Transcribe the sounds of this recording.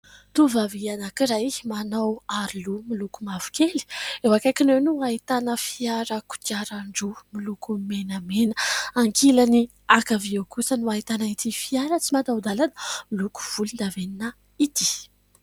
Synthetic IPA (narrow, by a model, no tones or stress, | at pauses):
t̪uvavianakiɾaimanawaɾilumilukumavu̥keli̥ewakakinewnuait̪anəfiaɾəku̥t̪iaɾaɳɖ͡ʐumilukumenəmenəaŋkʰilani | akaviawkusənuait̪anait̪ifiaɾət͡simat̪awd̪alanə̥miluku̥v̥ulund̪aveninə | it̪i̥